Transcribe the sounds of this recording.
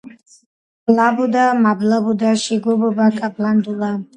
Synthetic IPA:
blabud̪amablabud̪aʃiɡɔbɔbakʼabland̪ula

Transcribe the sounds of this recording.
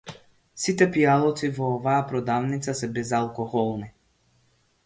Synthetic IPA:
sit̪ɛpialˠɔt̪sivɔɔvajapɾɔd̪avnit̪sasɛbɛzalˠkɔxɔlˠni

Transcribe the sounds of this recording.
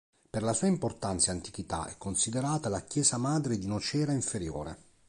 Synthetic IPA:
perlasuːaimport̪ant̪saant̪i̥k̟it̪a̰ɛ̰kːonsid̪eɾaːt̪alakjɛːzamaːd̪ɾed̪iunot͡ʃɛːɾaiɱfeɾjo̰ːɾḛ

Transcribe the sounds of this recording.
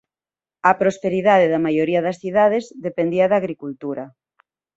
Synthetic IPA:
ɐpɾospeɾiðaðeðɐmajoɾiɐðɐsθiðaðezðepend̪iɐðaɣɾikult̪uɾɐ

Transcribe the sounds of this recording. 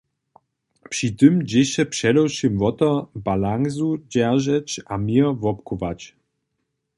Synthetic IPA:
pʂit̪ɨmd͡ʑeɕɛpʂɛlɔwɕimvɔt̪ɔbalaŋzud͡ʑɛʁʒɛt͡ɕamivɔpkuvat͡ɕ

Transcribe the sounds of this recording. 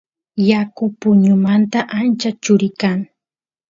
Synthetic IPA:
jakʊpʊɲʊmant̪aʔant͡ʃat͡ʃʊɾɪkaŋ

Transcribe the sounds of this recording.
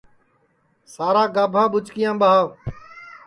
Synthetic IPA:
saːɾaːɡaːbʱãːɓʊt͡ʃkɪjãːɓaːɦaː

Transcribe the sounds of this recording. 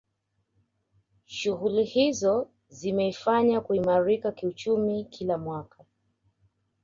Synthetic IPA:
ʃuɣulihizɔ | zimɛifaɲakuimaɾikakiut͡ʃumikʰilamwaka

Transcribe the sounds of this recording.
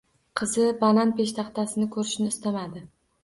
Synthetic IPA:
qʰɨzɪbananpeʃt̪ʰɑχt̪ʰasɪnɪkʰɵɾɪʃnɪːst̪amad̪ɪ

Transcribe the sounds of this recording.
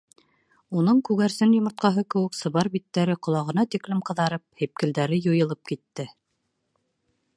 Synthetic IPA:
unɤɴkʉɣæɾsɘnjŏmŏɾt̪̚qɑɦɤkɘ̆wɘ̆ksɤ̆βɑɾbit̪ːæɾɘqŏlˠɑʁɤ̆nɑt̪iklɘmqɤ̆ðɑɾɤp̚hip̚kɘ̆ld̪æɾɘjŏjɤ̆lˠɤp̚kit̪ːɘ

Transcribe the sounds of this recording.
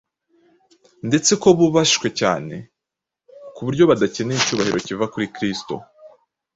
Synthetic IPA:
ndet͡se̞ko̞βuβaʃi̥ʃwe̞ca̰ːne̞̰ | kuβuɾɟo̞βadace̞neicuːβahiɾo̞civakuɾikɾisto̞̰

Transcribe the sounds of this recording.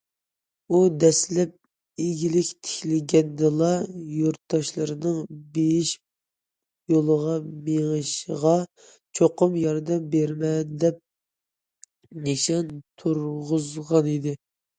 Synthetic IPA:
ud̪ɛslɛp̚ | eɡʲilɪkʲt̪ʰɪ̥kʲlɪɡʲɛnd̪ɨlˠɑjoɾt̪ːɑʃlˠɨɾɨnɨŋbejiʃ | jolˠəʁɑmeŋɨʃʁɑ | t͡ʃʰoqʊmjɑɾd̪ɛmbeɾmɛnd̪ɛp̚ | neʃɑnt̪ʰuɾʁʊzʁɑnid̪ɪ

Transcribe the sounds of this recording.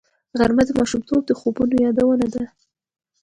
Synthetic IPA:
ɣaɾmad̪əmɑʃumt̪ʰob̚d̪əxobunojɑd̪awənad̪a

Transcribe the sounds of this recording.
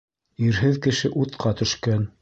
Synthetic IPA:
iɾɦɘðkɘ̆ʃɘʔut̪qɑt̪ɵ̆ʃkæn

